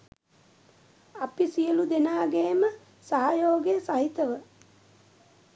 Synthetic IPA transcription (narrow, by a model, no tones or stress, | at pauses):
apisijəlud̪enaːɡeːmə | saɦajoːɡejsaɦit̪əʋə